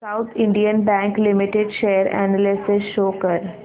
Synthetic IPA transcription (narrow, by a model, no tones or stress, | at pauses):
saʊt̪ʰɪ̃ɳɖijə̃nbæ̃ːŋklɪmɪʈeɖʃeːəɾæ̰nəlɪsɪsʃoːkəɾ